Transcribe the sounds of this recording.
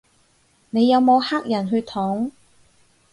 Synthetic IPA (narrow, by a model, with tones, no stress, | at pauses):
ne˨˧jːɐ˨˧wmo˨˧whaː˥k̚jɐ˨˩nɦɵ˧ɥt̪ʰɔː˨˥ŋ